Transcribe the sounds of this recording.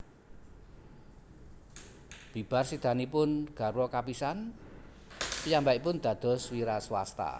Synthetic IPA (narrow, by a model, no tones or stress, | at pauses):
b̥i̤b̥a̤rsid̪̥a̤nipʊnɡ̥a̤ɾwɔkapisan | pijambaʔipʊnd̪̥ä̤d̪̥ɔ̤swiɾaswa̰st̪a̰